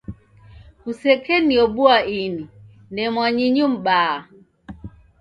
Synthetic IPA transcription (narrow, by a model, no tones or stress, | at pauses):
kusɛkɛniɔɓuaini | nɛmwaɲiɲum̩ɓaː